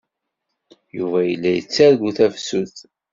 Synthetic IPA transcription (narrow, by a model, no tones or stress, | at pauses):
juvæjəlːæjət͡sːæɾɡuθæfsuθ